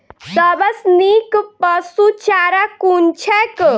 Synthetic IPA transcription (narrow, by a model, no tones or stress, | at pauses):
səbəsnikpəsut͡ʃaɾakunt͡ʃʰɛk